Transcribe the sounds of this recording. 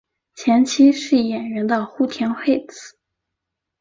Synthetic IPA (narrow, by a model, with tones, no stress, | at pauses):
t͡ɕʰjɛ˧˥nt͡ɕʰi˥ʂɻ̩˥˩jɛ˨˩nɥɛ˧˥nd̪ə˧xu˥˩t̪ʰjɛ˧˥nxe˥˧ɪt͡sɹ̩̥˨˩˦